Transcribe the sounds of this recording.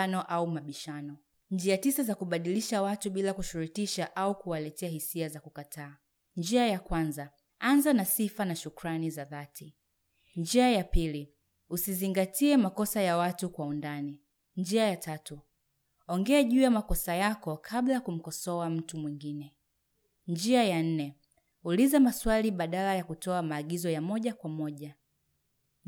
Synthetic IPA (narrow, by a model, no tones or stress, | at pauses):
nɔʔaumaɓiʃanɔ | nd͡ʒiatisazakuɓaɗiliʃawatuɓilakuʃuɾutiʃaʔaukuwalɛtɛahisiazakukatʰaː | nd͡ʒiajakwanza | anzanasifanaʃukɾanizaðatʰi | nd͡ʒiajapili | usiziŋɡatʰiɛmakɔsajawatukwaundani | ɲd͡ʒiajatʰatu | ɔŋɡɛaʄuːjamakɔsajakɔkʰablajakum̩kɔsɔam̩tumwiŋɡinɛ | nd͡ʒiajan̩nɛ | ulizamaswaliɓaɗalajakutɔamaːɠizɔjamɔʄakwamɔʄa